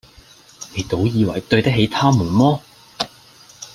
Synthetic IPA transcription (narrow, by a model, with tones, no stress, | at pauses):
me˨˧jt̪o˨˥wjiː˨˧wɐ̰˨˩jt̪ɵ˧ɥt̪ɐ˥ɦe˨˧jt̪ʰaː˥muː˨˩nmɔː˥